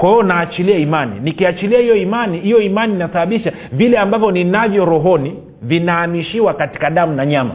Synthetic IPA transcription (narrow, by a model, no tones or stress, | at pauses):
kwahiɔnaːt͡ʃiliaimanḭnikiat͡ʃiliahijɔimanihijɔimaniːnasaɓaɓiʃa | vilɛambavjɔninavjɔɾɔɦɔni | vinaːmiʃiwakati̥kaɗamunaɲama̰